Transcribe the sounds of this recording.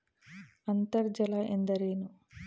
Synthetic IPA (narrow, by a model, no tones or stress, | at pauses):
ɐnt̪ɐɾd͡ʒɐlaʔend̪ɐɾeːnu